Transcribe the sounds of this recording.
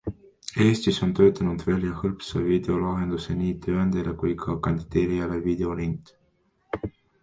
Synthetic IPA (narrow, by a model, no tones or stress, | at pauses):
e̞ːst̪iso̞nt̪ø̞ːt̪ˑɑnud̪̥vælʲjɑhɤlpsɑvid̪̥e̞o̞lɑɦe̞nd̪̥useniːt̪ʰøːænd̪̥ele̞kujkʰɑkɑnʲd̪̥id̪̥e̞ːɾijɑle̞vid̪̥e̞o̞lint̪